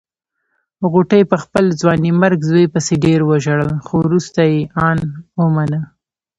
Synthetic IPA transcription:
ɣuʈəjpəxpəld͡zwɑnimaɾɡzwejpəseɖeɾwəʒaɽəlxowɾust̪ajeɑnwəmanə

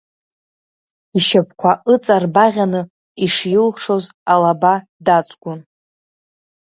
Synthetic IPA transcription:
iʃapʰkʷʰaʔɨt͡sʼarbaʁʲanɨ | iʂjɪlχʂo̞zalaba | dat͡sʷʼɡʷʊn

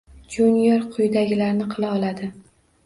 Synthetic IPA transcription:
d͡ʒunjeɾqʰʊjd̪aɡʲɪlaɾnɪqʰɨlˠaɒlˠad̪ɪ

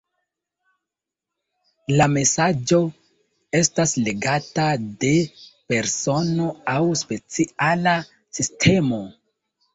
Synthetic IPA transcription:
lame̞sad͡ʒo̞ | e̞stasle̞ɡatade̞pe̞ɾso̞no̞awspe̞t͡siala | sistʰe̞mo̞

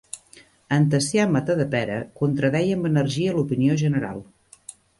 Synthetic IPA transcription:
ənt̪əsjamət̪əðəpɛɾəkunt̪ɾəðɛjəmbənərʒiəlupinioʒənəɾa̰lˠ

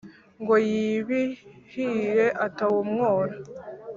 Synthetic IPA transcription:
ŋɡojiβihiɾe̞ʔatawumŋoːɾa

